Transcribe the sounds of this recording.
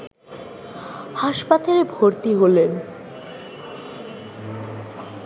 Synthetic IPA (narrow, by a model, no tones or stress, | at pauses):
haʃpat̪aɾebʱoɾt̪iɦolen